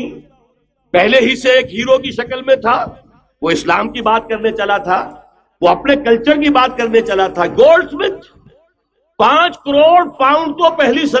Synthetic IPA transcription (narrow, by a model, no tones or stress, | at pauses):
pɛɦleɦiseeːkɦiːɾokiʃɐkəlmẽt̪ʰa | ʋoɪslaːmkibaːt̪̚kɐɾnet͡ʃɐlat̪ʰaː | ʋoɐpnekɐlt͡ʃəɾk̬ibaːt̪̚kɐɾnet͡ʃɐlat̪ʰaɡoːlɖsmɪt̪ | pãːt͡ʃkɐɾoːɽpãːʊ̃ɳɖt̪opɛɦlisɐ